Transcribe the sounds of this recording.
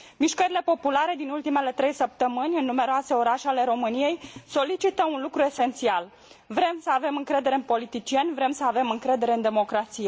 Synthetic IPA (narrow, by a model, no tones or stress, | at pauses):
miʃkəɾile̞po̞pulaɾe̞d̪inult̪ime̞le̞t̪ɾe̞jsəp̚t̪əmɨnʲɨnːume̞ɾoase̞o̞ɾaʃeale̞ɾo̞mɨnije̞jso̞lit͡ʃit̪əunlukɾue̞se̞nt̪sial | vɾe̞msəave̞mɨŋkɾe̞d̪e̞ɾeɨnpo̞lit̪it͡ʃie̞nʲvɾe̞msəave̞mɨŋkɾe̞d̪e̞ɾe̞ɨnd̪e̞mo̞kɾat̪sije̞